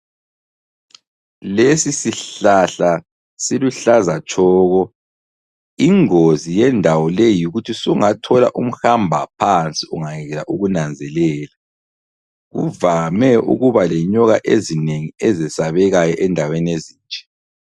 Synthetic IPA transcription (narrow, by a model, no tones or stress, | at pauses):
lesisiɬaɬa | siluɬazat͡ʃʼʰɔːɣɔ | iŋozijɛndʱawɔlejuɣutʰisuŋatʰɔla̰ʔum̩xambʱapʰant͡sʼiuŋaŋɛɣɛlaʔuɣunand͡zʱɛlɛːla | ɣṵvamɛʔṵɣuβalɛɲɔɣaʔezineŋiɛzɛsaβɛɣajɔʔɛndʱawenieziːnt͡ʃʼɛ̥